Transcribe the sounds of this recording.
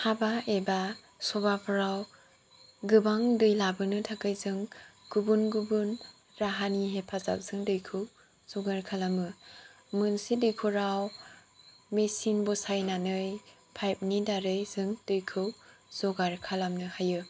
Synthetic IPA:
habaeba | sɔbapʰɯɾaw | ɡɯbaŋdɯjlabɯnɯtʰakɯjzɯŋɡ̥ubunɡubun | ɾaɦaniɦepʰaza̰k̚z̥ɯŋdɯjkʰɯw | z̥ɔɡaɾkʰalamɯ | mɯnsidɯjkʰuɾaw | mesinbɔsajnanɯj | pʰajp̚nidaɾɯjzɯŋdɯjkʰɯwz̥ɔɡaɾkʰalamnɯhajɯ

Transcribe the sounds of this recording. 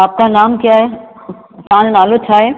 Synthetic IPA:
aːp̚kanaːmkijaːɦe | t̪ãːnnaːlotʰaːɦeː

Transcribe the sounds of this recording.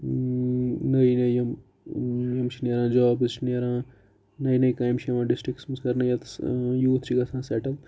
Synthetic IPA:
nɐjnɐjjɐm | jɐmt͡ʃʰineɾãːd͡ʒɔːbɨzt͡ʃʰineɾãː | nɐjnɐjkaːjmt͡ʃʰiɐʋãːɖisʈɾik̚ʈsmɐskɐɾnɐjɐt̪juːt̪ʰt͡ʃiɡɐsãːsɛʈɐl

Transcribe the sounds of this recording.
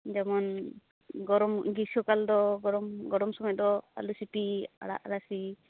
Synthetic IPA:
d͡ʒɛmɔn | ɡɔɾɔmɡisɔkald̪ɔɡɔɾɔmɡɔɾɔmsɔmɔj̚d̪ɔa̰lusipia̰ɽa̰ʔɾasi

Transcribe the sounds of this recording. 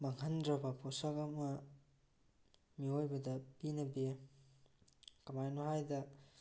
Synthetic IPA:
maŋhɐndɾɐbɐpʰosakɐmɐ | miojbɐdɐpinɐbi | kɐmajnohajdɐ

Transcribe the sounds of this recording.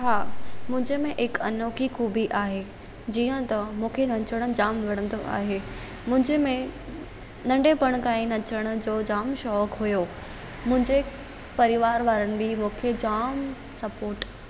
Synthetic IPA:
ɦaːmʊ̃ɦɪ̃ɲd͡ʑemẽʔɪkɐnoːkixuːbiʔaːɦe | d͡ʑiːə̃t̪ɐmũːkʰenɐ̃t͡ɕəɽ̃ʊ̆d͡ʑaːmʋɐɽ̃ə̃nd̪oʔa̰ːɦeː | mʊ̃ɦɪ̃ɲd͡ʑemẽ | nɐ̃ɳɖepɐɽ̃kaːĩnɐt͡ɕəɽ̃ʊd͡ʑoːd͡ʑaːmʃɔːkɦujoː | mʊ̃ɦɪ̃ɲd͡ʑe | pɐɾɪʋaːɾʋaːɾənɪ̆bɪmũːkʰed͡ʑaːm | sɐpoːɾʈ

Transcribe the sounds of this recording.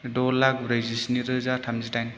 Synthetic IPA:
dɔlak̚bɾezisniɾɯzatʰamzitajn

